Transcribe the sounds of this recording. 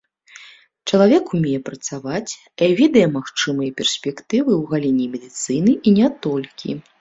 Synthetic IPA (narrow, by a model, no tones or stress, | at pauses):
t͡ʂɐlˠavʲɛkumʲɛjɛpɾɐt̪savat͡sʲkavʲɛd̪ɐjɛmaxt͡ʂɨmɨjɐpʲɛrsʲpʲɛkt̪ɨvɨwɣalʲinʲimʲɛd̪ɨt̪sɨnɨʔinʲɛt̪ɔlʲkʲʰḭ